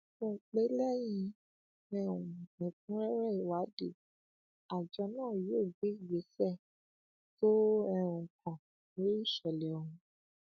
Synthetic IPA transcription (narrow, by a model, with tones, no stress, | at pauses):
mõ˦˧k͡pe˦lɛ˦jĩ˧ | ɛ˦ũ˨ĩ˨k̚ũ˦ɛ˦ɾɛ˦˨i˨wa˨˦de˨ | a˨d͡ʒɔ˧˦nãː˦˨jo˦˨ɡ͡be˨˦˨ɡ͡be˨˦sɛ˦˨ | to˦ɛ̃˦ũ˨kɔ̃˨ | no˨˦i˦˨ʃɔ˨lɛ˨ɔ˨ũ˧